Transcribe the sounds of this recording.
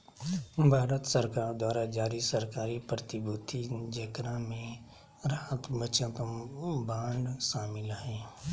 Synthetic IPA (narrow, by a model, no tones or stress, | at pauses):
bʱaːɾət̪səɾkaːɾd̪waːɾad͡ʒaːɾisəɾkaːɾipɾət̪ɪbut̪ʰid͡ʒekɾamẽ | ɾaɦəkbət͡ʃãkəbãːɳɖsaːmɪlɦɛ̃ː